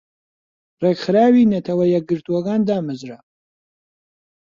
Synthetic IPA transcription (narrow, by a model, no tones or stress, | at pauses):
rɛkχɾaːwinɐt̪ʰɐwɐjɛɡɨɾt̪ʰuwɐɡaːnd̪aːmɨzɾa